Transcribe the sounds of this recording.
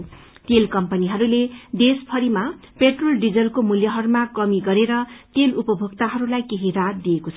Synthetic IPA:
t̪elkʌmpʌniɦʌɾuled̪espʰʌɾima | peʈrolɖid͡zʌlkomuljʌɦʌɾumakʌmiɡʌɾeɾʌt̪elupʌbʱoɡt̪aɦʌɾulajkeɦiɾad̪iekot͡sʰʌ

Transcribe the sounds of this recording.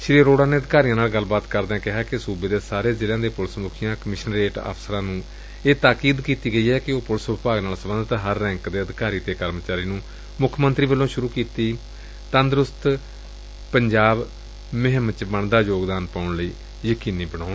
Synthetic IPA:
ʃɪɾiːɾoːɽaːneːəd̪ɪkaːɾijãːnaːlɡəlːbaːt̪kəɾd̪ɛ̃ːkɪɦaːkɪsuːbeːd̪eːsaːɾeːzɪlãːd̪eːpʊlsmuːkʰijãːkəmɪʃənɾeːʈə̰psəɾãːnũː | eːt̪aːkiːd̪kiːt̪iːɡəiːɦɛːkɪoːpʊlsʋɪpaːɡnaːlsəbənd̪ət̪ɦəɾːɛ̃ːŋkd̪eːəd̪ɪkaːɾiːt̪eːkəɾmət͡ʃaːɾiːnũː | mʊkʰmənt̪ɾiːbəlːõːʃʊɾuːkiːt̪iː | t̪ənd̪ɾʊst̪ | pəɲd͡ʒaːb | mɪɦəmət͡ʃbəɳd̪aːjoːɡd̪aːnpaːʊɳləiː | jəkiːniːbənaːʊn

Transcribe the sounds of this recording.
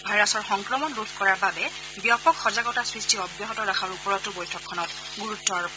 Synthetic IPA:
bʱajɹasɔɹxɔŋkɹɔmɔnludʱkɔɹaɹbabɛ | bijapɔkxɔzaɡɔtasɹistiɔbjɔɦɔtɔɹaxʰaɹupɔɹɔtʊbɔjtʰɔkʰːɔnɔt | ɡuɹutːɔɹ

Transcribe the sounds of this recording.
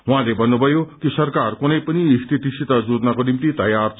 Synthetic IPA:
wɦãlebʱʌnːubʱʌjokisʌɾkarkunʌjpəniːst̪ʰit̪isit̪ad͡zud̪nakonimt̪it̪ɐjaɾ

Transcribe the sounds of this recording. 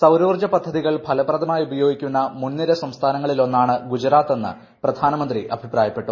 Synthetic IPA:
sɐwɾuːrd͡ʑɐpɐd̪ʱːɐðiɣɐɭpʰɐlɐbrɐd̪ɐmaːjubɐjo̞ːɡikʲːunːɐmunːiɾɐsɐmst̪ʰaːnɐŋːɐɭilo̞nːaːɳɨɡud͡ʑɐɾaːt̪ːe̞nːɨ̰ | prɐd̪ʱaːnɐmɐnd̪riʔɐbʱipraːjɐpːe̞ʈːu

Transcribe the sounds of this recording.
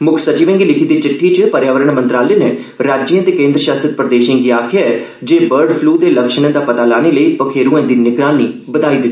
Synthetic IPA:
mʊkʰsət͡ʃiːʋə̃ŋɡiːlɪkʰiːd̪iːt͡ʃɪʈʰːit͡ʃpəɾjaːʋəɾəɳmənt̪ɾaːleːne | ɾaːd͡ʒãːt̪eːkẽːnd̪ɾəʃaːst̪ɾɪt̪̚pɾəd̪eːʃə̃ːɡiːaːkʰɪjaɛː | d͡ʒeːbəɾɖpʰluːd̪eːləkʃñẽːd̪aːpət̪aːlaːneːləiːpəkʰeːɾũɛ̃ːd̪iːnɪɡɾaːniːbəd̪aːiːd̪ɪt̪ːiː

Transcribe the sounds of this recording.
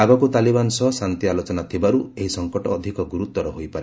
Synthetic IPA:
aɡɔkut̪alibansɔɦɔsant̪ialot͡ʃɔnat̪ʰibaɾueɦisɔŋkɔʈɔːd̪ʱikɔɡuɾut̪ːwɔɾɔɦojpaɾe

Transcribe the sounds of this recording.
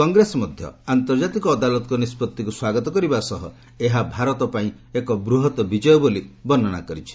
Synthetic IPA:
ɔŋɡɾesɔmɔd̪ʱjɔ̰ant̪ɔɾd͡ʒat̪ikɔːd̪alɔt̪ɔkunispɔt̪ːikuswaɡɔt̪ɔkɔɾibasɔɦɔ̰ | eɦabʱaɾɔt̪ɔpaĩ | ekɔbɾuɦɔt̪ɔbid͡ʒɔjɔbolibɔnːɔña̰kɔɾit͡ʃʰi̥

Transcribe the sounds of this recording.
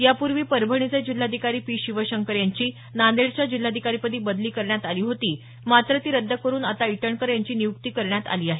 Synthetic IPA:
japuɾʋiːpəɾbʱəɳ̃id͡zəjd͡ʑil̤ːad̪ʱikaɾiːpiːɕiʋəɕəŋkəɾjaɲt͡ɕiː | nand̪eɭt͡ɕjad͡ʑil̤ːad̪ʱikaɾipəd̪iːbəd̪liːkəɾɳjat̪aliːɦot̪iː | mat̪ɾət̪iːɾəd̪ʱːəkəɾuːnat̪aiʈəɳkəɾjaɲt͡ɕiːnijuk̚t̪iːkəɾɳjat̪a̰liːaɦe

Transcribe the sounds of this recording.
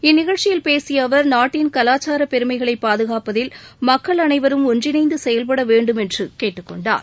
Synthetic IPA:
ɪnːɪɣɐɭt͡ʃɪjɪlpeːsɪjɐʋɐɾnaːʈːɪnkɐlaːt͡ʃːaːɾɐpɛɾɯmɐɪɣɐɭɐɪpːaːðɯɣaːpɐðɪlmɐkːɐɭɐnɐɪʋɐɾɯmɔndrɪnɐɪnd̪ɯsɛjɐlp̬ɐɽɐʋeːɳɖɯmɛndrɯkeːʈːɯkːɔɳɖa̰ːɾ

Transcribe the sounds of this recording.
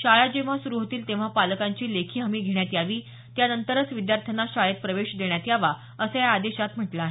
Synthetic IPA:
ɕaɭad͡ʑeʋ̤asuɾuɦot̪iːlt̪eʋ̤apaləkaɲt͡ɕiːlekʰiːɦəmiːɡʱeɳ̃jat̪jaʋiː | t̪janənt̪əɾət͡sʋid̪jaɾt̪ʰənaɕaɭet̪̚pɾəʋeɕd̪eɳjat̪jaʋa | əsəjaːd̪eɕat̪m̤əʈlaːɦe

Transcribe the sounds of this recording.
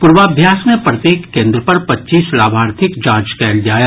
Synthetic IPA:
pʊɾʋaːbʱjaːsmẽpɾɐt̪jeːkːẽːnd̪ɾəpɐɾpɐtːʃiːslaːbʱaːɾt̪ʰɪkd͡ʒaːd͡ʒkɛːld͡ʒaːja

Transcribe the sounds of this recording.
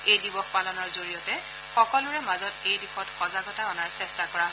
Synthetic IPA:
ejdibɔxpalɔnɔɹzoɹijɔtɛ | xɔkɔlʊɹɛmazɔtejdixɔtxɔzaɡɔtaɔnaɹsɛstakɔɹaɦ

